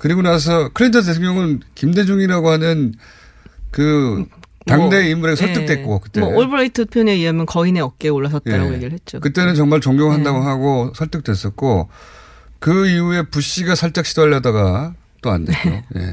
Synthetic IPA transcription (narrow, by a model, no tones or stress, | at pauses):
kɯɾiɡonas̬ʰʌkʰɯɾintʰʌt̬etʰeŋɲʌŋɯnkimde̞d͡ʑuŋiɾaɡohanɯn | kɯ | taŋde̞imuɾeɡesʰʌɭt͈ɯk̚t͈we̞k͈okɯt͈eoɭbɯɾaitʰɯpʰjoneijʌmjʌnkʌine̞ʌk̚k͈e̞oɭːas̬ʰʌt̚eaɾa̰ɡojeɡiɾɯɭhet̚t͡ɕ͈okɯt͈e̞nɯnt͡ɕʌŋmaɭt͡ɕoŋɡjoŋɦandaɡoɦaɡosʰʌɭt͈ɯk̚twe̞s͈ʌt̚k͈o | kɯiue̞puɕ͈iɡasʰʌɭt͡ɕ͈ak̚ɕ͈ʰidʌʎːʌdaɡa | t͈oa̰ndeo̰je̞̰